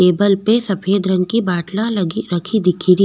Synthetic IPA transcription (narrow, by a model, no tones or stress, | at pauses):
eːbəlpesɐpʰeːd̪ɾə̃ŋkibaːʈlãliɾɐkʰid̪ɪkʰiɾi